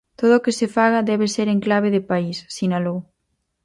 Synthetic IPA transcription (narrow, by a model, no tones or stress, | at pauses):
t̪oð̞oːkɪsefaɣɐðɛβeseɾeŋklaβ̞eðɪpaisːinalow